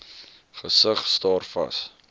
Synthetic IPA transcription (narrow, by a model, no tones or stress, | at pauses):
χəsəχstɑːrfɐ̰s